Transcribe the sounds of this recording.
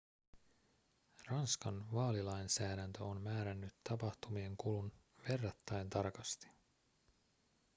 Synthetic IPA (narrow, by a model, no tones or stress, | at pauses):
rɑnskɑnʋɑːlilɑjnsæːdænt̪øonmæːɾænːyt̪ːɑpɑht̪umie̞ŋkulun | ʋe̞rːɑt̪ːɑent̪ɑrkɑst̪i̥